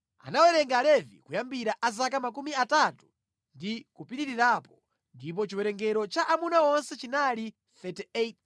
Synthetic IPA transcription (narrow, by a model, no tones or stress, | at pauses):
a̰nawɛɾɛŋɡalɛvḭkujambiɾaʔazakamak̬umiatatu̥ | ndikupiɾiɾiɾaːpɔ | ndip̬ɔt͡ʃiwɛɾɛŋɡɛɾɔt͡ʃaʔamunaɔnsɛt͡ʃinali | θɛtiet̪